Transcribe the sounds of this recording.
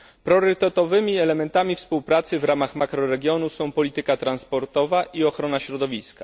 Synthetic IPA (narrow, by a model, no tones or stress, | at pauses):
pɾɔɾɘt̪ɛt̪ɔvɘmʲiɛlɛmɛnt̪amʲifspuwpɾat̪sɘvɾamaxmakɾɔɾɛɡʲjɔnusɔ̃w̃pɔlʲit̪ɘkat̪ɾanspɔɾt̪ɔvaʔiɔxɾɔnaɕɾɔd̪ɔvʲiska